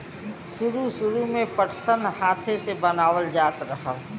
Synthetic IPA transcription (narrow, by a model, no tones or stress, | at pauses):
ʃʊɾuʃʊɾumẽpəʈsənhaːt̪ʰesebənaːʋəld͡ʒaːt̪ɾəɦə